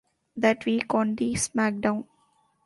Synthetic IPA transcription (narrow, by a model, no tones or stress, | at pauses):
d̪æʈʋiːkɔ̃ːnɖ̪iːsmæk̚ɖãʊ̃n